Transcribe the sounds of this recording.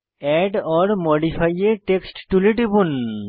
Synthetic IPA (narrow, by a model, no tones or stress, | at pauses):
ɛɖɔɾmoɖipʰajeʈeksʈʈuleʈibun